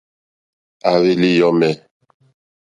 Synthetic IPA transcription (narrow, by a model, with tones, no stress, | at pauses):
a˨βi˦li˦jɔ˦mɛ˨